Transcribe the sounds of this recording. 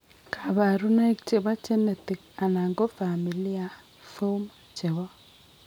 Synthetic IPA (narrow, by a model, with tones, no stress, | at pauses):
kʰa˨βa˨ɾu˦na˦i˦kt͡ʃe˨βa˦t͡ʃe˦mɛ˨t̪i˨ka˨na˨ŋɡo˦fa˨mi˨li˦a˨ | fo˦ma˨t͡ʃe˨wa˦